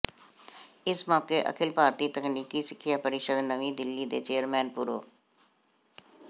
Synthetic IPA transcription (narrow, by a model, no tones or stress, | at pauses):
ɪsmɔːkeːʔə̰kʰɪlpaːɾt̪iːt̪əkniːkiːsɪkʰːijaːpəɾɪʃəd̪nəʋĩːd̪ɪlːiːd̪ḛːt͡ʃeːəɾmɛːnpʊɾo̰ː